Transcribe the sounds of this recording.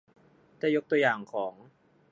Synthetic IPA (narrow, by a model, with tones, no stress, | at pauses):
t̪ʰɛː˥˩jo˦˥k̚t̪u˧jaː˨˩ŋkʰɔː˩˦ŋ